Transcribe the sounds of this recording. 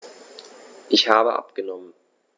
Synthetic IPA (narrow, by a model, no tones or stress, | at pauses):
ʔɪçhaːbəʔa̰pɡ̥ənɔmən